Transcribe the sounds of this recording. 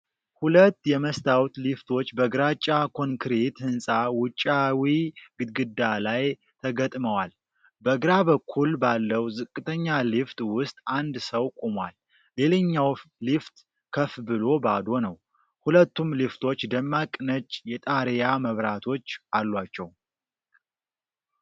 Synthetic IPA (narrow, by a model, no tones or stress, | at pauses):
hulət̪ːjɛməst̪ʰawt̪lift̪ʰo̞t͡ʃːbəɡɾat͡ʃʼːakʰo̞ŋkʰɾet̪hɨnsʼawʊt͡ʃʼːawiɡɨd̪̚ɡɨd̪ːalaj | t̪ʰəɡət̪ʼməwal | bəɡɾaβəkʰːulbalːəwzɨkʼːɨt̪ʰəɲːalift̪ʼwʊst̪ʼand̪səwkʼomwa̰l | le̞ləɲːawlift̪ʼ | kʰəfbɨlo̞bad̪o̞nəw | hulət̪ːumlift̪ʰo̞t͡ʃːd̪əmːakʼːnət͡ʃʼːjɛt̪ʼaɾejaməβɾat̪ʰo̞t͡ʃːʔalːwat͡ʃːɛw